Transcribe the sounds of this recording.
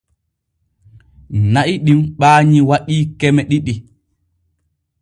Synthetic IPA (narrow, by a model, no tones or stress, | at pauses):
naʔiɗimɓaːɲiwaɗiːkɛmɛɗiɗi